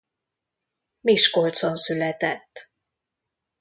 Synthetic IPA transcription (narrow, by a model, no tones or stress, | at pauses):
miʃko̞lt̪sonsylɛt̪ɛt̪ː